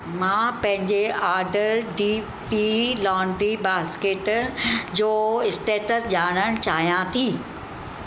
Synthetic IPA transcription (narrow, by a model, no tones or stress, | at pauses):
mãːpɐ̃ɦɪ̃ɲd͡ʑeaːɾɖəɾɖiː | pilɔ̃ːɳɖɾibaːskeːʈd͡ʑoːɪsʈeːʈəsʄaːɽ̃əɽ̃t͡ɕaːɦijãt̪ʰiː